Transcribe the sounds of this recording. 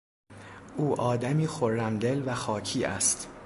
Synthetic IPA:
ʔuːʔɒːd̪æmiːxoɾːæmd̪elvæxɒːcʰiːʔæ̰st̪

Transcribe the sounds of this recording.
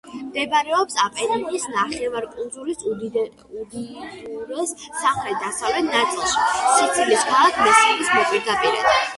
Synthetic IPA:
md̪ɛbɾɛɔpsapʼɛɾiniːsnaχɛvaɾkʼulˠzʼuɾis | ud̪iɾɛssamχɾɛt̪̚d̪asavlɛt̪ʰnat̪sʼilˠʃi̥sit̪sʰliskʰalˠakʰmɛsilismɛpʼiɾd̪apʼiɾɛ̰d̪a

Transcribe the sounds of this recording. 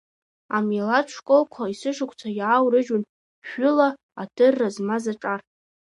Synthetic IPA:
amalaʈ͡ʂʷʰkʼolkʷʰaisɨʂɨkʷʰʼt͡sʰajawɾɨʒʊn | ʒᶣʊla | adʰɨrːazmazaʈ͡ʂʼar

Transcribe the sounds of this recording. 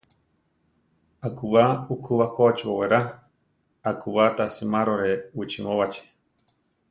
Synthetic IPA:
akuβaukʰuβakot͡ʃboweɾa | akuβat̪asimaɾoɾeut͡ʃimõβat͡ʃe̥

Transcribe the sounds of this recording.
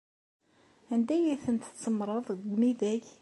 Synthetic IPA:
ænd̪æjiθənt̪t͡sːəmɾˤəðˤɡɡmiðæç

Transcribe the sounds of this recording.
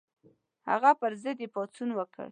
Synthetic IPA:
ha̰ɣapəɾzəd̪epɑt͡sunwəkə̰ɭ

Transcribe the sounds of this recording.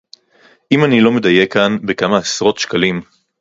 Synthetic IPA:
ʔimanilo̞med̪aje̞kanbekamaasʁo̞t̪ʃkalim

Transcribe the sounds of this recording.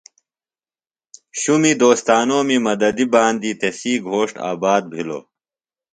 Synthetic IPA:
ɕumid̪oːst̪aːnoːmimɐd̪ɐd̪ibaːnd̪iːt̪esiːɡʱoːʂʈa̰ːbaːd̪̚bʱilo̰ː

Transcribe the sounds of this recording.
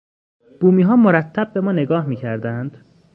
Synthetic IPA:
b̥uːmiːɦɒːmoɾæt̪ʰːæb̚ːe̞mɒːne̞ɡɒːhmiːcʰæɾd̪ænd̪̥

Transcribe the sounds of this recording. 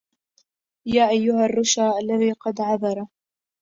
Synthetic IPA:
jaːʔajːʊɦarˤːʊʃaːʔalːaðiːqɑd̪ʕɑðˤɑɾˤɑ

